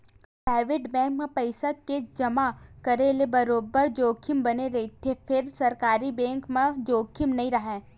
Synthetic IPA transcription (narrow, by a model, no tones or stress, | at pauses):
pɾaːɪʋeːʈbɛ̃ːŋkmẽpɐɪsaked͡ʒɐmakɐɾelebɐɾoːbəɾd͡ʒoːkʰɪmbɐneɾɐit̪ʰefʰɪɾsɐɾkaːɾibɛ̃ːŋkmẽd͡ʒoːkʰːɪmnɐɦĩɾɐɦɛ̃ː